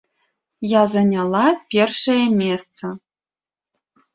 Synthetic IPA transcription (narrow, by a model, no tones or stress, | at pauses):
jazanʲalˠapʲerʂɐjɐmʲest͡sʰɐ